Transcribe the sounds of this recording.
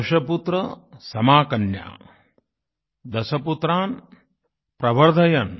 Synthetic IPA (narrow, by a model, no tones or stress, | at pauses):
ʃɐput̪ɾɐ | sɐmaːkɐnja̰ː | d̪ɐsɐput̪ɾaːn | pɾɐʋɐɾd̪ʱɐjɐn